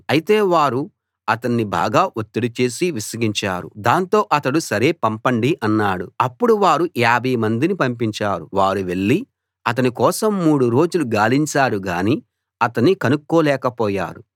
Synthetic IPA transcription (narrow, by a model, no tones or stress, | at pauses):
ɐjit̪e̞ːʋaːɾu | ɐt̪ɐnːibʱa̰ːɡaːʔot̪ːiɽut͡ʃe̞ːsiʋisɐɡiɲt͡ʃa̰ːɾṵd̪aːnt̪o̞ːʔɐt̪ɐɽusɐɾe̞ːpɐmpɐɳɖiʔɐnːaːɽuɐpːuɽuʋaːɾuʔaːbʱɐjmɐnd̪inipɐmpiɲt͡ʃaːɾuʋaːɾuʋe̞ɭːi | ɐt̪̬ɐnikɔːsɐmːuːɽuɾo̞ːd͡ʒuluɡaːliɲt͡ʃaːɽuɡaːniː | ɐt̪ɐnːikɐnukːɔːlɛːkɐpɔːja̰ːɾu